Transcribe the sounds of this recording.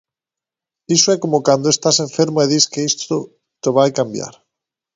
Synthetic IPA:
isoɛkomokand̪oest̪asẽɱfeɾmoeðiskeist̪o | t̪eβajkambja̰ɾ

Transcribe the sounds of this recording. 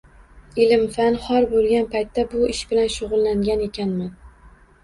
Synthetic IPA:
ɪlɪmfanχɒɾbolˠɡʲanpajt̪ʰːabʊɪʃbɪlanʃʊʁʊlˠːaŋɡʲane̞kʲanman

